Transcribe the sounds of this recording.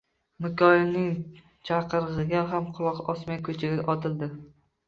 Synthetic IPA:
mɪkʲʰɒɪlnɪŋ | t͡ʃʰɑqʰɨɾʁɨɡʲaɦamqʰʊlˠɒqɒsmajkʰɵt͡ʃʰɪɡʲaʔɒt̪ʰɪld̪ɪ

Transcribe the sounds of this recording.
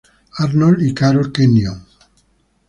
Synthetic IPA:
aɾnolikaɾolkenjoŋ

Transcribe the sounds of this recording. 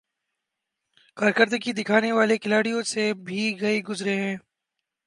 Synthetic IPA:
kaːɾkəɾd̪əkid̪ɪkʰaːneʋaːlekɪlaːɽijõsebʱiːɡɐiːɡʊzɾeɦɛ̃ː

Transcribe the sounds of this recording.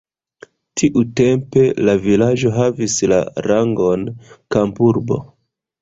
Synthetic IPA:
tʰiʔute̞mpe̞lavilad͡ʒo̞ɦavisla̰ɾaŋɡo̞nkampuɾbo̞̰

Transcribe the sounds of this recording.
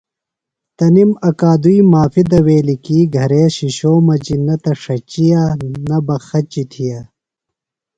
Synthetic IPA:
t̪ɐnimɐkaːd̪uimaːfid̪ɐweːlikiːɡʱɐɾeːɕiɕoːmɐd͡ʑinɐt̪ɐʂɐt͡ɕijanɐbɐxɐt͡ɕit̪ʰija

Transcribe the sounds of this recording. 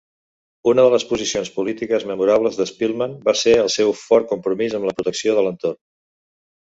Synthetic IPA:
unəðələspuzisionspulit̪ikəzməmuɾaβləzðəspilˠmanbaseəlˠsɛwfɔɾ̚kumpɾumizəmləpɾut̪əksioðələnt̪orn

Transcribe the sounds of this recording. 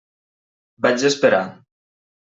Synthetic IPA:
bat͡ʃespeɾa

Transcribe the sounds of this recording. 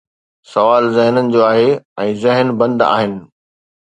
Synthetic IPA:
sɐʋaːlzɪɦnənɪ̆d͡ʑoːaːɦeɛ̃ːzɪɦənbɐ̃nd̪a̰ːɦɪnɪ̆

